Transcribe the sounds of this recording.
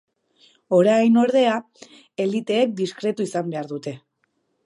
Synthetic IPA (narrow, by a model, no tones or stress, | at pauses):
o̞ɾajno̞ɾðe̞a | e̞lit̪e̞ːk̚d̪iskɾe̞t̪uisambe̞aɾðut̪e̞